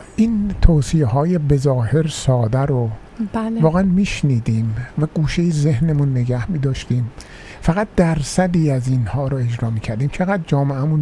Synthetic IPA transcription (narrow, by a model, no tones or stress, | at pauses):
ʔiːnt̪ʰoːsijehɒːjebe̞zɒːhe̞ɾsɒːd̪æɾo̥ | vɒːɣeænmiːʃniːd̪iːmvæɡ̥uːʃejezehnemunːe̞ɡæhmiːd̪ɒːʃt̪iːm | fæɣæt̪̚d̪æɾsæd̪iːæzinhɒːɾɔe̞d͡ʒɾɒːmiːcʰæɾd̪iːmt͡ʃʰe̞ɣæd̪̚d͡ʒɒːmeæmun